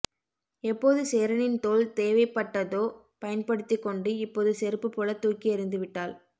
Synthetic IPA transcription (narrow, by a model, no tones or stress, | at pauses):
ɛpːoːðɯseːɾɐnɪnt̪oːlt̪eːʋɐɪpːɐʈːɐðoː | pɐjɐnpɐɽɯt̪ːikːɔɳɖɯɪpːoːðɯsɛɾɯpːɯpːolɐt̪ːuːkːiɛɾɯnd̪ɯʋɪʈːaːl